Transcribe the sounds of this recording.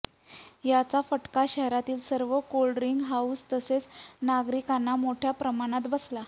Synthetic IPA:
jat͡safəʈkaɕəɦɾat̪iːlsəɾʋəkolɖɾiŋɡɦaust̪əset͡snaɡɾikanːamoʈʰjapɾəmaɽ̃at̪bəsla

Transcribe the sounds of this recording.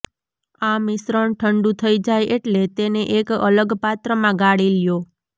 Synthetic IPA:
amɪsɾəɳʈʰəɳɖũt̪ʰəid͡ʒajʔeʈlet̪eneʔekə̰ləɡpat̪ɾəmãɡaɽiljo

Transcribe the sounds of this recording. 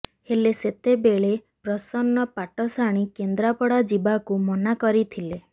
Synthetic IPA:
heleset̪ebeɭe | pɾɔsɔnːɔpaʈɔsaɽ̃ikend̪ɾapɔɽad͡ʒibakumɔnakɔɾit̪ʰile

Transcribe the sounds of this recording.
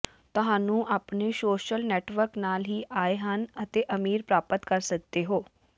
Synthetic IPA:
t̪ɐɦãːnũːʔaːpnesoːʃəlnɛːʈʋəɾknaːlɦiːʔaːeɦənət̪eʔɐmiːɾpɾaːpət̪kɐɾsək̚d̪eɦoː

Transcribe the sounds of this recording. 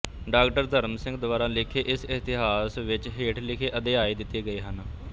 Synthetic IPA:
ɖaːkʈəɾd̪əɾəmsɪ̃ŋɡd̪ʊʋaːɾaːlɪkʰeːʔɪsɪt̪ɪɦaːsʋɪt͡ʃɦeːʈʰlɪkʰeːʔəd̪eːaːiːd̪ɪt̪ːiːɡəiːɦən

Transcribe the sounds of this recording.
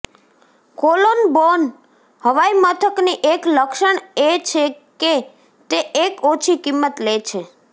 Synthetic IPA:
kolonbon | həʋajmət̪ʰəkniʔekləkʃəɳet͡ʃʰeke | t̪eʔekot͡ʃʰikimːət̪let͡ʃʰe

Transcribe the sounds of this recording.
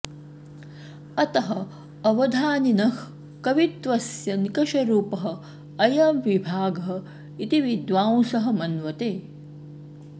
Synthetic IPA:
ɐt̪ɐɦɐ | ɐʋɐd̪ʱaːninɐh | kɐʋit̪ʋɐsjɐnikɐʃɐɾuːpɐɦɐ̆ | ɐjɐmʋibʱaːɡɐɦɐ̆ | it̪iʋid̪ʋaːwsɐɦɐ̆mɐnʋɐt̪eː

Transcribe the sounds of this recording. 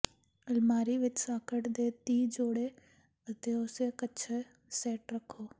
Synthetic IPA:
əlmaːɾiːʋɪt͡ʃsaːkʰəʈd̪eːt̪iːd͡ʒoːɽeː | ət̪eːʊseːkətːʃʰeː | sɛːʈɾəkʰːoː

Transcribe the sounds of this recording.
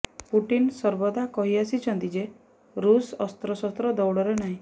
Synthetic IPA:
puʈinsɔɾbɔd̪akɔɦiasit͡ʃʰɔnt̪id͡ʒe | ɾusɔst̪ɾɔsɔst̪ɾɔd̪ɔwɽɔɾenaɦĩ

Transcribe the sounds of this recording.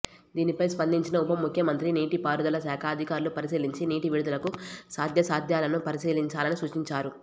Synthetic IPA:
d̪iːnipɐjspɐnd̪iɲt͡ʃinɐupɐmukʰjɐmɐnt̪ɾiniːʈipaːɾud̪ɐlɐsaːkʰaːd̪ʱikaːɾlupɐɾisiːliɲt͡ʃiniːʈiʋiɽud̪ɐlɐkusaːd̪ʱjɐsaːd̪ʱjaːlɐnupɐɾisiːliɲt͡ʃaːlɐnisuʂʈiɲt͡ʃaːɾu

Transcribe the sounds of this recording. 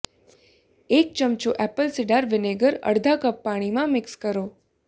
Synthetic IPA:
ek̚t͡ʃəmt͡ʃoʔɛpəlsɪɖaɾʋɪneɡəɾə̰ɽd̪ʱakəpːaɽ̃imãmɪkskəɾo

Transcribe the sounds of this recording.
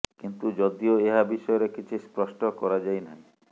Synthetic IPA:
kint̪ud͡ʒɔd̪ioeɦabiʃɔjɔɾekit͡ʃʰispɾɔsʈɔkɔɾad͡ʒajnaĩ

